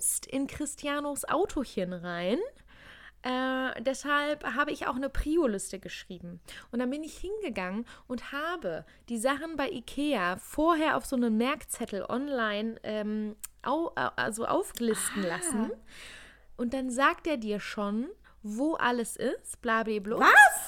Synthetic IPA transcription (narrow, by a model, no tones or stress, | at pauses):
stɪ̰nkʁ̥ɪstʰjaːnosʔa̰ʊtʰoçənʁaɪn | ʔɛːd̥ɛshalpɦaːbəɪça̰ʊxnəpʁ̥iːolɪstəɡəʃʁ̥iːbm̩ʔʊntd̥abɪnɪçhɪnɡəɡaŋənʔʊnthaːbə | d̥iːzaχn̩baɪʔikʰeːafoːɐɦeːɐʔaʊfz̥oːnəmːɛɐkt͡sɛtl̩ʔɔ̰nlaɪnʔɛːmʔa̰ʊʔa̰zoʔa̰ʊfɡ̥lɪstn̩lasn̩ | ʔʊnt̚d̥anzaːk̚tʔeːɐdiːɐʃoːn | voːʔa̰ləsʔɪstb̥laːblebloː